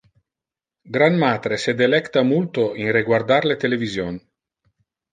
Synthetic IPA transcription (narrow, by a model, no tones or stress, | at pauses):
ɡɾanmaːt̪ɾesed̪elɛkt̪amult̪oiŋreɡward̪aɾlet̪elevizjon